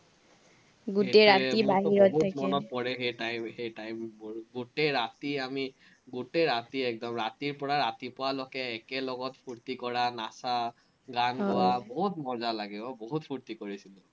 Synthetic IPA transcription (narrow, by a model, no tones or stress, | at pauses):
ɡutɛɹatibaɦiɹɔtʰːakmɔnɔt̚pɔɹɛxejtajmxejtajmɡutɛɹatiami | ɡutɛɹatiɛk̚dɔmɹatiɹpɔɹaɹatipʊwalɔkɛːkɛlɔɡɔtpʰuɹt̪ikɔɹanasa | ɡankɔwaboɦutmɔzalaɡibɔboɦutpʰuɹt̪ikoɹisilʊ̃